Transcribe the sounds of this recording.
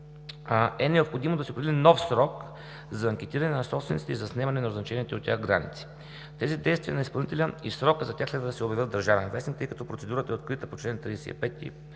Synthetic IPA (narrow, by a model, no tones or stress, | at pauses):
ɛnɛopxod̪imod̪ɐsɛpɾd̪ʲilinɔfsɾɔk | zɐːŋkʲɛt̪iɾɐnɛnɐsɔpsvɛntsit̪ɛizɐsnɛmɐnɛnɐɾznɐt͡ʃɛniɛt̪ɛot̪tʲːa̰xɡɾanḭt̪si̥ | t̪ɛzid̪ɛjst̪viənispɐlˠnit̪ɛlʲənisɾɔkəzɐt̪ʲaxslɛd̪vəd̪ɐsɛobʲjɐvʲəd̪əɾʒavɛnvɛst̪int̪ɤjkɐt̪ɔpɾotsɛd̪uɾət̪əɛot̪̚kɾit̪əpot͡ʃlɛnt̪ɾid̪ɛsɛ̰ḭpɛt̪ʲːḭ